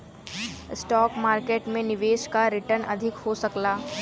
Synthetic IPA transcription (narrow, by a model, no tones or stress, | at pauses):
ɪsʈɔːkmaːɾkeːʈmẽnɪʋeːʃkaɾɪʈəɾnɐ̰d̪ʱɪkhosɐklaː